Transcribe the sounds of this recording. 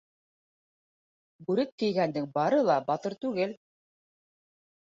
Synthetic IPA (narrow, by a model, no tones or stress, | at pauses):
bʉɾɘk̚kːɘ̆jɡænd̪ɘŋbɑɾɤlˠɑbɑt̪ɤɾt̪ʉɡɘl